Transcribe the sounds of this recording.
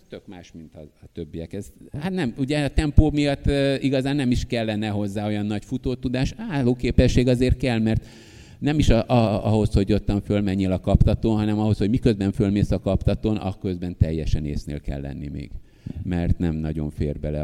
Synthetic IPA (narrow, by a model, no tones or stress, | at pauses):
t̪økmaːʃmint̪ɒːt̪øbːijɛkɛzhat̪nɛmuɟɛɒt̪ɛmpoːmijɒt̪ːiɡɒzaːnːɛmiʃkɛlːɛnɛɦo̞zːaːo̞jɒnːɒɟfut̪oːt̪ud̪aːʃaːlːoːkeːpɛʃːeːɡɒzeːrt̪̚kɛlmɛrt̪ | nɛmiʃɒʔɒɒho̞sho̞ɟo̞t̪ːɒɱfølmɛɲːeːlɒkɒpt̪ɒt̪oːnɦɒnɛmɒɦo̞sho̞ɟmikø̞zbɛɱnfølmeːsɒkɒpt̪ɒt̪oːnʔɒ̰kø̞zbɛnt̪ɛjːɛʃɛnḛːsnḛːlkɛ̰lːɛ̰nːḭmḛːɡ̥ | mɛrt̪nɛmnɒɟo̞ɱfeːrbɛlɛ̰